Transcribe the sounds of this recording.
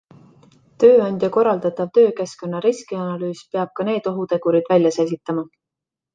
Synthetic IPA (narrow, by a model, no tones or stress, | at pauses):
t̪ø̞ːɑnʲd̪̥jɑko̞ɾɑld̪ɑt̪ˑɑvt̪ø̞ːke̞sko̞nːɑɾiskiɑnɑlyːspeɑb̥̚kɑne̞ːd̪̥o̞ɦut̪e̞ɡ̥uɾid̪̥vælʲjɑse̞lʲɡ̥it̪ːˑɑmɑ